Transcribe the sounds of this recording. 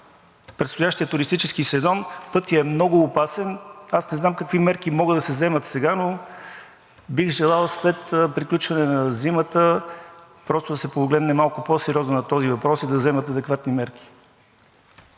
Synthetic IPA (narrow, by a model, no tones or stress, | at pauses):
pɾɛt̪st̪ʊjaʃt̪iət̪ʊɾist̪it͡ʃɛskisɛzɔnpɤt̪iəɛmnɔɡʊːpasɛnasnɛznamkəkvimɛɾkimɔɡəd̪ɐsɛzɛmət̪sɛɡano | biɣʒɛlˠalˠslɛt̪pɾiklʲut͡ʃvɐnɛnɐzimət̪ə | pɾɔst̪ʊd̪ɐsɛpoɡlɛd̪nɛmalˠkʊposɛɾʲjɔznonɐt̪ɔzivɐpɾɔsid̪ɐzɛmət̪ɐd̪ɛkvat̪nimɛɾki̥